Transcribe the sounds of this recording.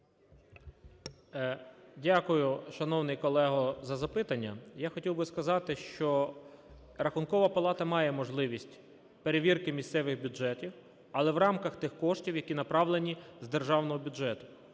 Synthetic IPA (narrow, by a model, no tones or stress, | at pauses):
dʲakʊjʊʃɐnɔwnɪjkɔlˠɛɦɔzɐzɐpɪt̪ɐnʲːɐ̰jaxɔtʲiwbɪskɐzɑt̪ɪʃt͡ʃɔ | ɾɐxʊnkɔʋɐpɐlˠɑt̪ɐmɑjɛmɔʒlˠɪʋʲisʲtʲ | peɾeʋʲirkɪmʲist̪sɛʋɪxbʲud͡ʒɛt̪ʲiw | ɐlˠɛwɾɑmkɐxt̪ɪxkɔʃtʲiwjɐkʲinɐpɾɑwlˠenʲizd̪erʒɑwnɔɦɔbʲʊd͡ʒɛt̪ʊ̥